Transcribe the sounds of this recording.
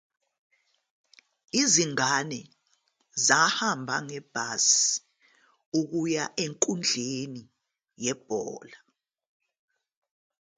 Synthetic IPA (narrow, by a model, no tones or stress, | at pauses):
iziŋanɛ | zahambʱa̰ŋɛb̥ʱasi̥ | uk̬ujaʔeŋkʼund͡ɮʱeni | jɛb̥̚ʱɔːla